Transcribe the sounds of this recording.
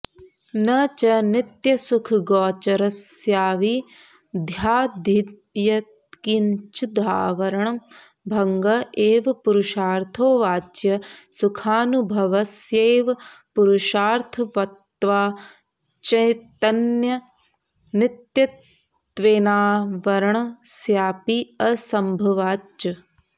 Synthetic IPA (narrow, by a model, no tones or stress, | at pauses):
nɐt͡ʃɐnɪt̪jɐsukʰɡɔːt͡ʃɐɾɐsjaːʋi | d̪ʱjaːd̪ʱid̪ | jɐt̪kiɲt͡ʃud̪ʱaːʋɐɾɐɳɐm | bʱɐŋɡɐeːʋɐpuɾuʃaːɾt̪ʰoːʋaːd͡ʒjɐsukʰaːnubʱɐʋɐsjeːʋɐpuɾuʃaːɾt̪ʰɐʋɐt̪ːʋaː | t͡ʃɐjt̪ɐnjɐ | nit̪jɐt̪ | ʋeːnaːʋɐɾɐɳɐsjaːpiɐsɐmbʱɐʋaːt͡ʃɐ